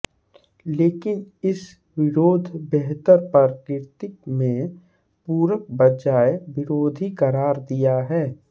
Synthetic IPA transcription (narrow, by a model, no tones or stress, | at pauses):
leːkɪnɪs | ʋɪɾoːd̪ʱbɛɦt̪əɾpɐɾkɪɾt̪ɪkmẽ | puːɾək̚bɐd͡ʒaːeʋɪɾoːd̪ʱikəɾaːɾd̪ijaɦɛː